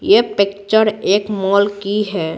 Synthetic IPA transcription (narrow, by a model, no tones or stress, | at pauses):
jepekt͡ʃəɾeːkmɔlkiɦɛ